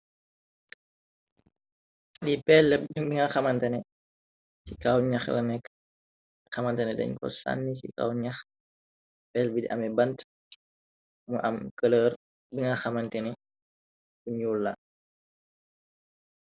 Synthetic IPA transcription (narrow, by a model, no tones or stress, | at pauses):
lipɛlːəbiŋaxɐmɐntɐnɛ | sikawɲaxlɐ̰nɛkː | xɐmɐntɛnɛdɛ̰ɲkɔ̰sa̰nːisḭka̰wɲax | pɛlbidiʔɐ̰mɛbɐnt | muʔɐmkələːr | biŋaxɐmɐntɛnɛ | kuɲulːɐ